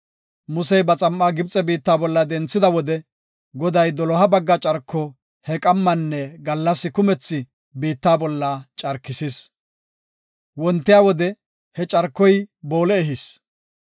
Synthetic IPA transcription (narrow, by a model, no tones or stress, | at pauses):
mʊsɛjbɐt͡sʼɐmːaːɡɪb̚t͡sʼɛbiːt̪ːaːbɔlːɐd̪ɛnt͡sːɪd̪ɐwɔd̪ɛ | ɡɔd̪ɐjd̪ɔlɔɦɐbɐɡːɐt͡ʃʼɐɾkːɔ | hɛkʼɐmːɐnːɛɡɐlːɐsːɪkʊmɛt͡sːɪ | biːt̪ːaːbɔlːɐt͡ʃʼɐɾkːɪsis | wɔnt̪ːɪjaːwɔd̪ɛ | hɛt͡ʃʼɐɾkːɔjbo̞ːlɛːɦɪs